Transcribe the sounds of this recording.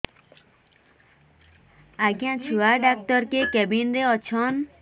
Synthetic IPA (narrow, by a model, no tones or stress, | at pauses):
aɡjãt͡ʃʰuaɖak̚ʈɔɾkekɛbinɾeɔt͡ʃʰɔn